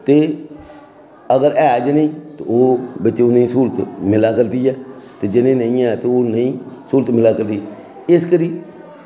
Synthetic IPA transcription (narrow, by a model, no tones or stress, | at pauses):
t̪eː | əɡəɾɛːd͡ʒəneĩt̪ooːbət͡ʃːeonəĩːsult̪mɪlaːkəɾd̪iːɛːt̪ed͡ʒɪnẽnə̃ĩɛːt̪eoːnə̃ĩːsuːlt̪mɪlaːkəɾd̪iːɛ | ɪskəɾiː